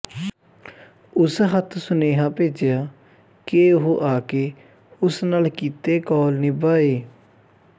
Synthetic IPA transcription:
ʊsɦət̪ʰsʊneːɦãːpeːd͡ʒɪjaː | keʊɦʔaːkeː | ʊsnaːlkiːt̪eːkɔːlnebaːeː

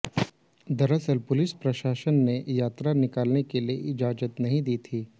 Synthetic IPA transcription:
d̪ɐɾəsəlpʊlɪspɾɐʃaːʃənːejaːt̪ɾanɪkaːlnekelieʔɪd͡ʒaːd͡ʒət̪nɐɦĩd̪iːt̪ʰiː

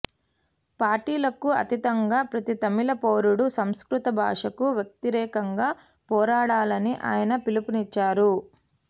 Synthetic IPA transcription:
paːɾʈiːlɐkuɐ̰t̪it̪ɐŋɡaːpɾɐt̪it̪ɐmilɐpoːɾuɽusɐmskɾut̪ɐbʱa̰ːʂɐkuʋjɐk̚t̪iɾɛːkɐŋɡaː | pɔːɾaːɽaːlɐniʔa̰ːjɐnɐpilipunit͡ʃːaːɾu

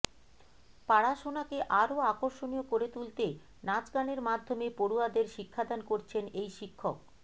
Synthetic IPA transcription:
paɽaʃonakeʔaɾoakoɾʃoniokoɾet̪ult̪e | nad͡ʑɡaneɾmad̪ʱːomepoɽuad̪eɾʃikʰːad̪ankoɾt͡ɕʰenejʃikʰːok

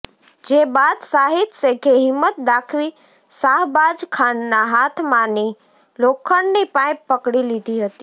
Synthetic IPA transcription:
d͡ʒebad̪saɦit̪sekʰeɦɪmːət̪̚d̪akʰʋi | saɦbad͡ʒkʰanːaɦat̪ʰmãni | lokʰːəɳnipãj̃pəkɽilid̪ʱiɦət̪i̥

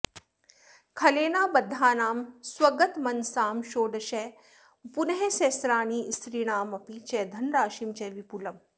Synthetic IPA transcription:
kʰɐleːnaːbɐd̪ʱːaːnaːmswɐɡɐt̪mɐnsaːmʃoːɖɐʃe | punɐɦeseːsɾaːniːsɾiːɽ̃aːmɐpit͡ʃɛːd̪ʱɐnɾaːʃiːmt͡ʃɛːʋipulɐm

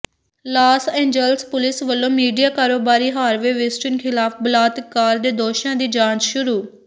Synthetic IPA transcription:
laːsẽːɲd͡ʒəlspʊlɪsʋəlːõːmiːɖijaːkaːɾoːbaːɾiːɦaːɾʋeːʋɪsʈənkʰɪlaːpʰbəlaːt̪kːaːɾd̪eːd̪oːʃãːd̪iːd͡ʒãːnt͡ʃʃʊɾuː

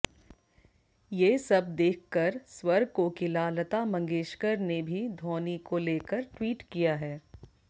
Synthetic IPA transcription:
jeːsɐb̚d̪eːkʰkɐɾswɐɾɡ̚kokɪlaːlət̪amɐ̃ŋɡeːʃkəɾnebʱid̪ʱoːnikoleːkəɾʈwiːʈkijaɦɛː

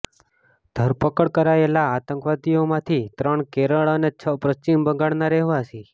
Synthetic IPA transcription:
d̪̥ʱəɾpəkəɽkəɾaelaːt̪ə̃ŋkʋat̪ijomãt̪ʰit̪ɾəɳkeɾəɭənet͡ʃʰəpɾət͡ʃimbəɡaɽnaɾɛɦʋasi

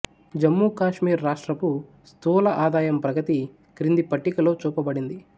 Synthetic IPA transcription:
d͡ʒɐmːuːkaːʂmiːɾːaːʂʈɾɐku | st̪uːlɐʔaːd̪aːjɐmpɾɐɡɐt̪i | kɾind̪ipɐʈːikɐlo̞ːt͡ʃuːpɐbɐɽind̪i

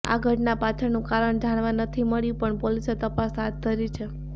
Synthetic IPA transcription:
a̰ɡʱəʈnapat͡ʃʰəɾnũkaɾəɳd͡ʒaɽ̃ʋanət̪ʰiməɭjũpəɳpoliset̪əpasɦat̪̚t̪ːəɾit͡ʃʰe

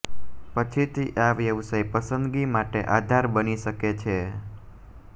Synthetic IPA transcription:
pət͡ʃʰit̪ʰiʔaʋjəʋsəjpəsənd̪ɡimaʈeʔad̪ʱaɾbəniʃəket͡ʃʰe

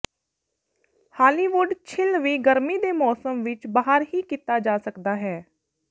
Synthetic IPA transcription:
haːliːʋʊɖt͡ʃʰɪlʋiːɡəɾmiːd̪eːmɔːsəmʋɪt͡ʃbaːɦəɾɦiːkit̪aːd͡ʒaːsəkd̪aːɦɛː

